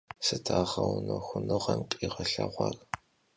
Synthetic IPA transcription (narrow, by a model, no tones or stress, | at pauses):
sɨtʰaːʁɐwnoxʷʊnɨʁɐmqʼiːʁɐɬɐʁʷɑr